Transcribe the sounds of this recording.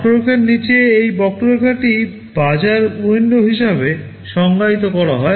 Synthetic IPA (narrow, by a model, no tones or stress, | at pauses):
ʈoɾokʰeɾnit͡ɕeejbɔk̚ʈoɾoɾkʰaʈi | bad͡ʑaɾuenɖoɦiʃabe | ʃɔŋɡait̪̬okɔɽaɦɔe